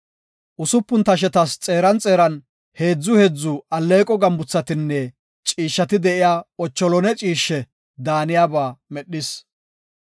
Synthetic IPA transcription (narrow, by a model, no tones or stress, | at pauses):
ʔʊsʊpːʊnt̪ɐʃ̬ɛt̪ɐst͡sʼeːɾɐnt͡sʼe̞ːɾɐn | he̞ːd͡zːʊhɛd͡zːʊʔɐlːeːkʼɔɡɐmbʊt͡sːɐt̪ɪnːɛ | t͡ʃʼiːʃːɐt̪ɪd̪ɛʔɪjaːɔt͡ʃːɔlɔnɛt͡ʃʼiːʃːɛ | d̪aːnɪjaːbaːmɛɗːɪs